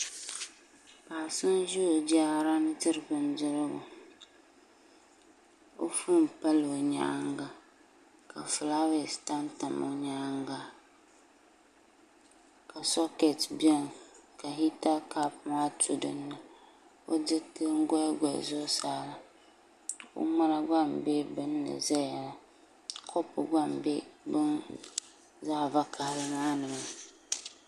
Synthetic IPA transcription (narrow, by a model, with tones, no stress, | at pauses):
paː˨sɨ˦nʒu˦o˨d͡ʒa˦ɾa˦nɨ˦tɨ˦ɾɨ˨bɨ˨n˦dɨ˦lɨ˦ɡʊ̰˨ | o˦fu˦m˨pa˦lo˨ɲa̰˦ŋɡa˨ | ka˨fɨ˨la˦wɛ˨sta˦nta˨mo̰˨˦ɲa˦ŋɡa˦ | ka˨sɔ˦ke˨tbi˦ɛ˦˨nka˨ɦi˦ta˦ka˦pma˦tʰu˨dɨ˦nːɨ˨ | o̰˦dɨ˦tɨ˦ŋ̩˦ɡɔ˦ɡʷɛ̰˨zʊ˦sa˦la˦˨ | o̰˦ma˦la˦ɡa˦˨mbe˦bɨ˦nːɨ̰˨za˦ja˨la˨ | kʰɔ˦pʊ˨ɡʷa˦mbe˦bɨ˦n | zaː˦˨va˦kʰa˨hɾɨ˦maː˦nɨ˨ma˦